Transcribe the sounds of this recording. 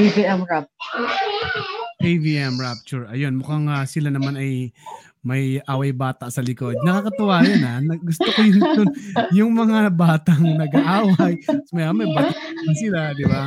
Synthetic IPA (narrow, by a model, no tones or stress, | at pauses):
eviʔɛmɹap̚t͡ʃʊɹ | ʔeviʔɛmɹap̚t͡ʃʊɹɐjo̞nmʊkaŋasɪlanɐmanɐj | mɐjʔaːwɐjbaːt̪aʔsɐlɪko̞d̪̚nɐkaːkɐt̪ʊwaːɾɐnanɐɡʊst̪okojʊnd̪ʊnjʊŋmɐŋabaːt̪ɐŋnɐɡɐʔaːwɐjsmɛɐmɐjbaːt̪aɐnsɪlad̪ɪba